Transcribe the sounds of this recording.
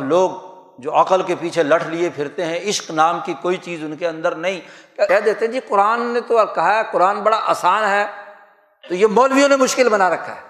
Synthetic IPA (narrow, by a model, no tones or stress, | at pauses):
bloːɡ | d͡ʒoːɐqəlkepiːt͡ʃʰelɐʈʰlɪepʰɪɾt̪eɦɛ̃ɪʃqnaːmkikoːit͡ʃiːzʊnkeɐ̃nd̪əɾnɐɦĩkkɛɦd̪eːt̪eɦɛ̃d͡ʒiːqʊɾaːnːet̪okɐɦaɦɛqʊɾaːnbɐɽaʔaːsaːnɦɛː | t̪ojemɔːlʋijõnemʊʃkɪlbɐnaɾɐkʰːa̰ɦɛː